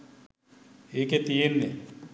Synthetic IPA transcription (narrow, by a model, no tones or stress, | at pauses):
eːket̪ijenːe